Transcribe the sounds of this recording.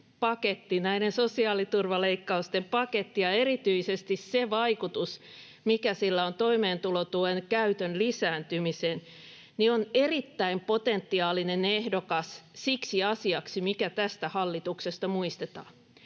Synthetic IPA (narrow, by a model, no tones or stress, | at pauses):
pɑket̪ːinæiɾensosiɑːlit̪urʋɑleikːɑust̪empɑket̪ːijɑerit̪yisest̪isseʋɑikut̪us | mikæsilːæont̪oimeːnt̪ulot̪uenkæyt̪ønlisæːnt̪ymisen | nionerit̪ːæimpot̪ent̪ːiɑːlinenehdokɑssiksiɑsiɑksimikæt̪æst̪æhɑlːit̪uksest̪ɑmuist̪et̪ɑ̰ː